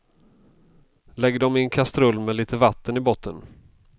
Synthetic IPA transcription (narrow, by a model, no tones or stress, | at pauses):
lɛɡːəɖɔmɪnkʰast̪ɾɵlːmɛliːt̪ʰəvat̪ːənɪbɔt̪ʰːən